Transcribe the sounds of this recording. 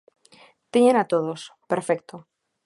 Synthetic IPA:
t̪eɲenat̪oð̞ospeɾfek̚t̪o

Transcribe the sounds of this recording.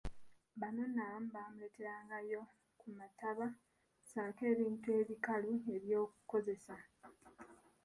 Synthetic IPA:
βano̞nːam̩bamule̞ːte̞ɾaːŋɡajo̞ | kumataβa | saːke̞ːβiːntue̞ːβikalue̞βjo̞ːku̥ko̞ze̞sa

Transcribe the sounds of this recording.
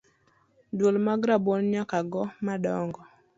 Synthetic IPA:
dwolmaɡɾabonɲakaɡɔmaɗɔŋɡɔ

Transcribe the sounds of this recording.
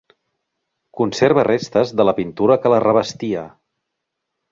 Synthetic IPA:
kunseɾβərest̪əzðələpint̪uɾəkələrəβəst̪iə

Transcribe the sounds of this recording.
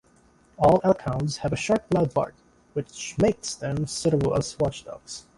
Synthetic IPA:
ɔlˠakʰãʊ̃ndz̥hɨvɨʃɑɹt̚b̥laʊd̚bɑ̰ɹk̚ | wɨt͡ʃmeɪksðɨ̃msɪɾəbl̩ˠə̰̥swɑt͡ʃd̥ʌ̰ks

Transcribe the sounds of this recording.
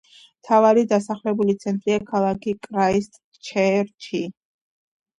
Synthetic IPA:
mt̪ʰavaɾid̪asaχlɛbulit̪sʰɛnt̪ʼɾiakʰalˠakʰikʼɾaist̪ʼ | t͡ʃʰɛɾt͡ʃʰi

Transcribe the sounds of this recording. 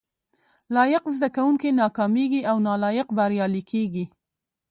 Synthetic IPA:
lɑjɪqzd̪akawuŋkenɑkɑmeɡiawnɑlɑjɪqbaɾjɑlikʰeɡi

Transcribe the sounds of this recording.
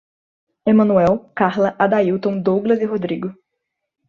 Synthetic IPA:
emɐ̃nuɛwkaɾlɐʔad̪aiwt̪õw̃d̪oɡlɐzɪɦod̪ɾiɡʊ

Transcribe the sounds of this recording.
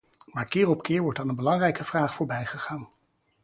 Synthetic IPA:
maːɹkɪːrɔpkɪːɹʋɔɹtdɑnənbəlɑŋrɛjkəv̥raːχfʊːɹbɛjχəχaːn

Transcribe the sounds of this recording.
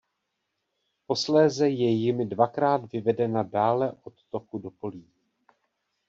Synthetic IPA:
po̞slɛːzɛjɛjɪmɪdvakɾaːd̪vɪvɛdɛnadaːlɛʔo̞t̪ːo̞kudo̞poliː

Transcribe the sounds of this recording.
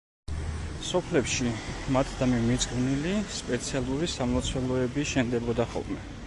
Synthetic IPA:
sɔpʰlɛpʃimat̪ʰd̪amimit̪sʼqʼvnilispʼɛt̪sʰialˠuɾisamlˠɔt̪sʰwɛlˠɔɛbiʃɛnd̪ɛbɔd̪aχɔ̰lˠmɛ

